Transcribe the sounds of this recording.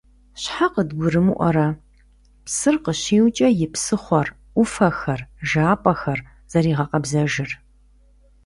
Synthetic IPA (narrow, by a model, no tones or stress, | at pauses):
ɕħaqədɡʷʊɾɨmuʔʷɔ̰ɾɐ | psɨrqəɕiːwt͡ʃʼɐjɪpsɨχʷɔrʷ | ʊfɐxɐrʒaːpʼɐxɐr | z̥ɐɾiːʁɐqɐbzɐʒɪr